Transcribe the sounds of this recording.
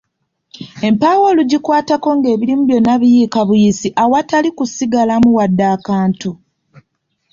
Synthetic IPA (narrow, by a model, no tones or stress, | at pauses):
e̞mpawo̞luɟikwaːtako̞ŋɡe̞ːβilimuβjo̞nːaβijiːkaβujisiʔawatalikusiɡalamuwadːaːkaːntu